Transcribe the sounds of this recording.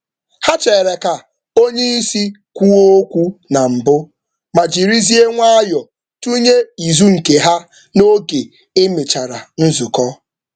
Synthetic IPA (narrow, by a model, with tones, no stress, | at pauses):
ha˦t͡ʃe˨ɾe˨ka˨ | o˦ɲe˦i˦si˦ | kʷu˦o˦o˦kʷu˦na˨m̩˨bʊ˦ | ma˨d͡ʒi˨ɾi˦zi˦e˦ŋʷa˦a˦jɔ˨ | tu˦ɲe˦i˨zu˦ŋ̩˨ke˨ɦa˦ | no˦ɡe˨ | e˦me˨t͡ʃa˨ɾa˨n̩˦zʊ˨kɔ˦